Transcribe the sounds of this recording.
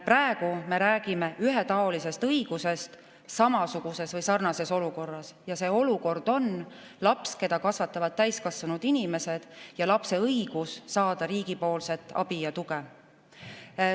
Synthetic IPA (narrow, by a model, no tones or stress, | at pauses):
præe̞ɡ̥ume̞ɾæːɡ̥ime̞yɦet̪ɑo̞lise̞st̪ɤiɡ̥use̞st̪ | sɑmɑsuɡ̥use̞svɯjsɑrnɑse̞so̞luko̞rːɑsjɑse̞o̞luko̞rd̪̥o̞n | lɑpske̞d̪ɑkɑsvɑt̪ˑːɑvɑd̪̚t̪ːæjskɑsvunud̪̥inʲime̞se̞d̪̥jɑlɑpse̞ɤjɡ̥usːɑːd̪̥ɑɾiːɡ̥ipo̞ːlse̞t̪ːˑɑ̰b̥ijɑt̪uɡ̥e